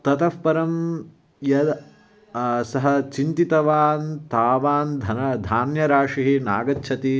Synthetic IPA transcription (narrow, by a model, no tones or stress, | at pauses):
t̪ɐt̪ɐfpɐɾɐm | jɐd̪ | sɐɦɐt͡ʃint̪it̪ɐʋaːnt̪aːʋaːnd̪ʱɐnɐd̪ʱaːnjɐɾaːʂiɦina̰ːɡɐtːʃʰɐt̪i